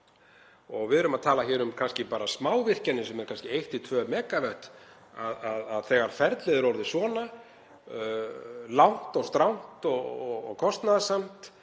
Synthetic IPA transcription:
ɔɣvɪðʏɾʏmaðt̪ʰaːlaçɛːɾʏmkʰanscɪpaːɾasmaːwvɪr̥canɪsɛmɛɾkʰanscɪejht̪ɪt̪ʰvœːmɛːkavœht̪ | aðaðaðθɛɣaɾ̥fɛɾt̪lɪðʏɾowɾðɪsvɔːna | lawn̥t̪ɔɣst̪ɾawn̥t̪ɔɣɔɣɔɣkʰɔst̪naðasam̥t̪

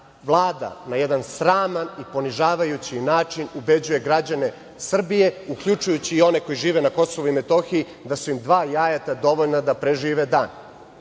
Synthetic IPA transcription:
ʋlˠaːd̪a̰najɛd̪ansɾaːmanipo̞niʒaːʋajut͡ɕinaːt͡ʂinube̞d͡ʑuje̞ɡɾad͡ʑane̞ | sr̩bije̞uklʎut͡ʃujut͡ɕiːo̞ne̞ko̞jiʒiːʋe̞nako̞so̞ʋuimet̪o̞xii | d̪asuimd̪ʋaːjaːjat̪ad̪o̞ʋoʎnad̪apɾeʒiːʋed̪aːn

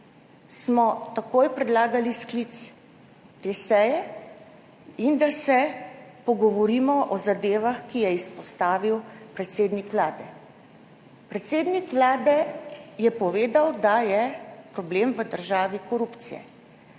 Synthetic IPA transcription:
smɔt̪akoːjpɾɛd̪laːɡalisklit̪s | t̪eːsɛjɛ | ind̪asɛpɔɡɔʋɔɾiːmɔʔɔzad̪eːʋaxkijɛispɔst̪aːʋiwpɾɛt̪seːd̪nikʋlaːd̪ɛ | pɾɛt̪seːd̪nikʋlaːd̪ɛjɛpɔʋeːd̪awd̪ajɛpɾɔbleːmʋəd̪əɾʒaːʋikɔɾupt̪sḭjɛ̰

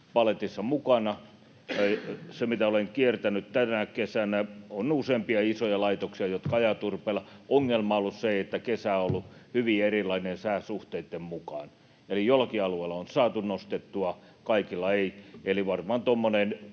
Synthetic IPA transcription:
pɑlet̪isːɑmukɑnɑ | semit̪æoleŋkiert̪ænytt̪ænækesænæonuseːmpiɑisojɑlɑit̪oksiɑjot̪kɑɑjɑt̪urpeːlːˑɑʔoŋːelmɑolːusseeiet̪ːækesæolːuhyʋierilˑɑinensæːsuht̪eit̪ːemmukɑ̰n | elijolɑkiɑlueilːˑɑonsɑːt̪unost̪et̪ːuɑ | kɑikilːɑeieliʋɑrmɑːnt̪omːonen

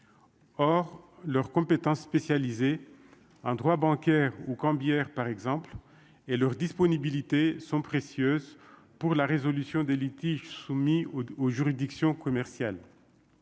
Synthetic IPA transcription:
ɔʁlœʁkɔ̃pet̪ɑ̃sːpesjalize | ɑ̃d̪ʁwabɑ̃kɛʁukɑ̃bjɛʁpaʁɛɡzɑ̃pl | elœʁd̪ispɔnibilit̪esɔ̃pχesjøz | puʁlaʁezɔlysjɔ̃d̪elit̪iʒsumioʒyʁid̪iksjɔ̃kɔmɛʁsjal

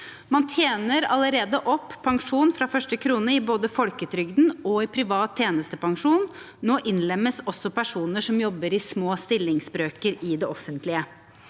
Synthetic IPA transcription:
mɑnt̪ʰjeːnəɾɑləɾeːd̪əʔɔpːʰɑŋʂuːnfɾɑfœʂʈəkʰɾuːnəɪboːd̪əfɔlkət̪ʰɾʏɡd̪n̩ɔɪpʰɾɪʋɑːt̪ʰːjeːnəst̪əpɑŋʂuːn | noːʔɪnlɛmːəsɔsːɔpʰæʂuːnəʂɔmjɔbːəɾɪsmoːst̪ɪlːɪŋsbɾøːkəɾɪd̪ɛɔfːənt̪lɪə

